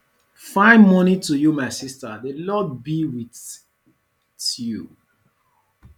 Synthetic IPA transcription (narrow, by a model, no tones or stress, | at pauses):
fãɪ̃nmɔnitujumaɪsistəðəlɔd̚biwiθ | ju